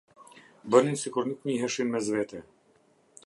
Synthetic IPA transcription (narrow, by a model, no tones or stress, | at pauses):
bəninsikuɾnik̪ɲiɦɛʃinmɛzvɛt̪ɛ